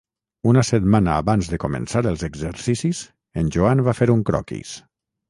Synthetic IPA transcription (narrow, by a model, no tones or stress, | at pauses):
unəsət̪manaːβanzðəkomə̰̃nsaɾəlˠzəɡzəɾsisiz | ənʲʒd͡ʒoanbafeɾuŋkɾɔ̰kḭs